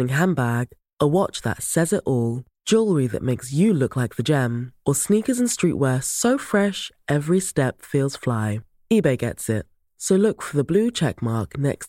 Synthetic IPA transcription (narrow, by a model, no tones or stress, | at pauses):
ɪ̃ŋɦãmbæɡ̥ | ʔəwɑt͡ʃðə̰tsɛzɪɾʔɔːlˠd̥d͡ʒ̥ʊlˠɹiðə̰ʔ̚meɪksjɨlʊklaɪk̚ðəd͡ʒɛ̃məsniˑkəzə̃nstɹ̥ḭˑʔwɛːsəʊfɹɛʃʔɛvɹistɛpfilˠz̥flaɪ | ibeɪɡɛ̰tsɪt̚ | səʊlʊkfəðəblʉːt͡ʃʰɛ̰k̚mɑɹknɛ̰ks